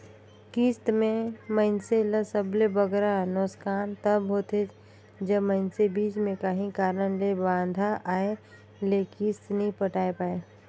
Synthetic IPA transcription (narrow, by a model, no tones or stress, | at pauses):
kiːst̪mẽməɪnseləsəblebəɡɾanɔskaːnt̪əbɦoːt̪ʰe | d͡ʒəmə̃ɪnsebiːt͡ʃmẽkaɦĩkaːɾənlebãːnd̪ʱaʔaːe | lekiːst̪nəɦĩpəʈaːepaːe